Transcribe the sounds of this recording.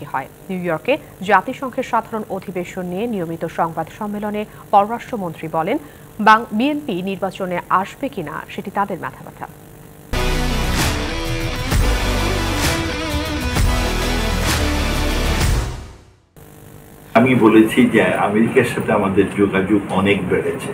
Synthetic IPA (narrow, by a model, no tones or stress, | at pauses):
eɦɔenuːjɔɾke | d͡ʑat̪iʃɔŋkʰet̪ʃad̪ʱaɾonod̪ʱibeʃonːijenijomit̪oʃɔŋbad̪ʃɔmːelone | pɔɾoɾaʃʈɾomont̪ɾibɔlen | baŋbienpiniɾbat͡ɕoneʔaʃbekina̰ʃeʈit̪ad̪eɾmɛ̰t̪ʰaba̰t̪ʰa̰ | amibolet͡ɕʰid͡ʑeameɾikaɾʃat̪ʰeamad̪eɾd͡ʑoɡad͡ʑoɡɔnekbeɽet͡ɕʰe